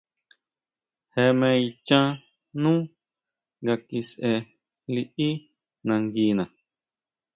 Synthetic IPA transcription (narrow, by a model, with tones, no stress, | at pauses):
he˧mẽ˧i˧t͡ʃã˦ | nũː˦ | ɡa˧ki˧sʔe˧ | li˧ʔi˦ | nã˧ŋɡi˧˦nã˨